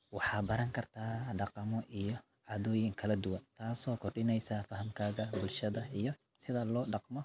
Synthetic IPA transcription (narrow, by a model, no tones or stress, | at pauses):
wɑħɑːbɐɾɐŋkʰɐrt̪ʰaːɖɑqɑmɔʔijɔ | ʕɑðɔːjɪŋkʰɐlɐd̪ʊwɐnt̪ʰaːsɔːkʰɔrɖɪnɛjsɐfɐɦɐmkʰaːɣɐbʊlʃɐðɐijɔ | sɪðɐlɔːɖɑqmɔ